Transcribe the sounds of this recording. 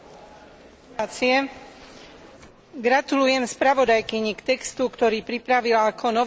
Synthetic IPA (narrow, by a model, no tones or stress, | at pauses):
t͡siɛ | ɡɾat̪ulujɛmspɾaʋɔd̪ajkiɲikt̪ɛkst̪ukt̪ɔɾiːpɾipɾaʋilaakʰɔnɔ